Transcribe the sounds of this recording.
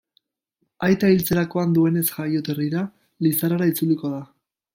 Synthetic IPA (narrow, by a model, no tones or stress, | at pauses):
ajt̪ailt͡se̞ɾako̞and̪ue̞ne̞sʝajo̞t̪eriɾa | lisaɾaɾait͡suliko̞ða